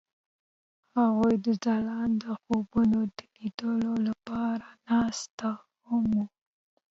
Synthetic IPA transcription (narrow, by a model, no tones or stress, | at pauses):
haɣujd̪əzɑlɑnd̪əxobunod̪əlid̪əlolapɑɾanɑst̪a | hamu